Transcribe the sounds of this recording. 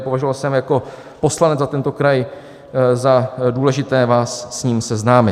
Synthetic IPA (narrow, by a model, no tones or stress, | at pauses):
po̞vaʒʊvalsɛmjako̞ | po̞slanɛd͡zzat̪ɛnt̪o̞kɾaj | zaduːlɛʒɪt̪ɛːvaːsːɲiːmsɛznaːmɪ